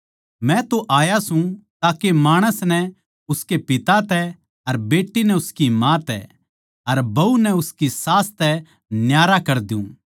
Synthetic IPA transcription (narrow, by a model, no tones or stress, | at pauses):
mɛ̃t̪oʔaːjasũt̪aːkemaːɽ̃əsnɛ | ʊskepɪt̪at̪ɛ | ɐɾbeːʈːinɛʊskimãːt̪ɛ̰ | ɐɾbɐunɛʊskisaːst̪ɛ | njaːɾakɐɾd̪ɪṵ̃ː